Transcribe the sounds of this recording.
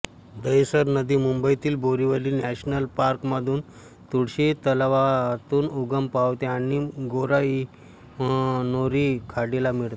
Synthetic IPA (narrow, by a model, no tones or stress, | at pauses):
d̪əjsəɾnəd̪iːmumbəit̪iːlboɾiʋəliːnæɕnəlpaɾkməd̪ʱuːn | t̪uɽɕit̪əlʋat̪uːnuɡəmpaʋt̪eaɽ̃iɡoɾai | noɾiːkʰaɽilamiɭt̪a